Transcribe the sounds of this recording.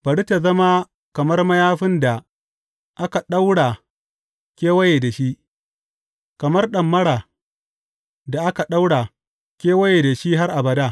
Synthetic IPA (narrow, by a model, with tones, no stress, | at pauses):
b̥ɐ˨ɽi˦ta˨zɐ˦ma˦ | kɐ˨mɐ˦rmɐ˦jaː˦ɸɪ˦nda˨ | ʔa˦ka˨ɗa˦wɽa˨ | kʲeː˦wɐ˦jeː˨da˨ʃi˦ʔ | kɐ˨mɐ˦rɗɐ˨mːɐ˦ɽaː˨ | da˨ʔa˦ka˨ɗa˦wɽaː˨ | kʲeː˦wɐ˦je˨da˨ʃi˦ɦa˦rʔa˨bɐ˨daː˦˨